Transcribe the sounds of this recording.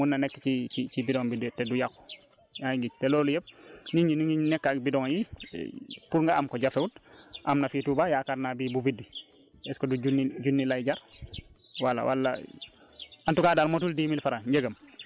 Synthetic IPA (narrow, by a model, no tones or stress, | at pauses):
munːanɛkːt͡ʃit͡ʃit͡ʃibidɔŋbidtɛdujakːo̥ | jajiŋɡistɛlɔːlujep̚niɲiniŋinɛkːakbidɔŋjḭ | puɾŋɡaamkɔɟafeutʔamnafitubajakaɾnabibuvidːi | ɛskɔdud͡ʒunːiɟunːilajd͡ʒaɾ | walːa̰wa̰lːa̰ | antukadaːlmotuldimilfaɾaɲɟeɡɐm